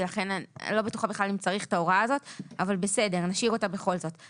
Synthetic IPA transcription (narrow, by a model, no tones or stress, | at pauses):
laχe̞n̰lo̞betuχabeχlalimt͡saʁiχtaoʁaːzo̞tavalbe̞sede̞ʁnaʃiʁo̞tabe̞χo̞lzo̞t